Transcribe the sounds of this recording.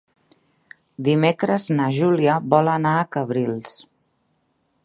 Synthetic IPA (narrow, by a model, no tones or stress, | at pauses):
d̪imekɾəznəʒuliəβɔlənaəkəβɾilˠs